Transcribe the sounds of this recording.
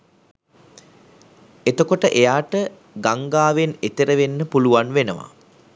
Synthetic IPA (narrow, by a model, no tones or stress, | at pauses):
et̪əkoʈəʔejaːʈə | ɡaŋɡaːʋenet̪eɾəʋenːəpuluʋanʋenəʋa̰